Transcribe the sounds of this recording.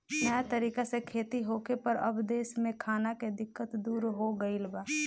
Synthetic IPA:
nəjat̪əɾiːkasekʰeːt̪iɦoːkepəɾɐbd̪eːsmẽkʰaːnaked̪ɪkːət̪d̪uːɾɦoɡəilbaː

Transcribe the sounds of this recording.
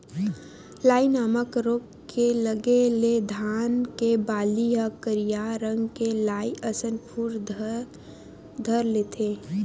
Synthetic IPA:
laːinaːməkɾoːk | kʰeləɡeled̪ʱaːnkebaːliɦəkəɾijaɾə̃ŋɡkelaːiʔəsənpʰuːɾ | d̪ʱəɾlet̪ʰeː

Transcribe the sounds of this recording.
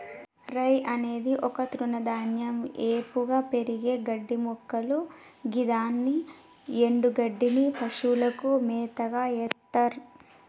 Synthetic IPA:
ɾɐjʔɐne̞ːd̪iʔɔkɐt̪ɾunɐd̪aːnjɐmeːpuɡaːpe̞ɾiɡe̞ːɡɐɖːimɔkːɐluɡid̪aːnːi | e̞ɳɖuɡɐɖːinipɐʃulɐkumɛːt̪ɐɡaːɛt̪ːɐɾ

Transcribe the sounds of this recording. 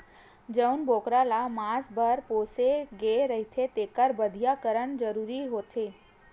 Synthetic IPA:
d͡ʒəunbokɾalamãsbʱəɾposeɡeɾəɦit̪ʰet̪ekəɾbəd̪ʱijakəɾəɳd͡ʒəɾuɾiɦot̪ʰe

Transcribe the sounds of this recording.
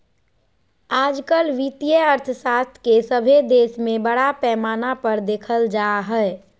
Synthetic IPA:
aːd͡ʒkəlʋit̪ijəəɾt̪ʰəsaːst̪ʰkesəbʱed̪eːsmẽbəɽapɛːmaːnapəɾd̪eːkʰəld͡ʒaːɦɛ

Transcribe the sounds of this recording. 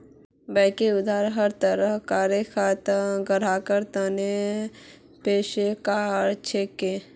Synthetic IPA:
bəɪkeʊd̪ʱaːɾɦəɾt̪əɾəkaːɾjekʰaːt̪əɡəɾaːkəɾt̪əne | peːʃekaːɾt͡ʃʰeːke

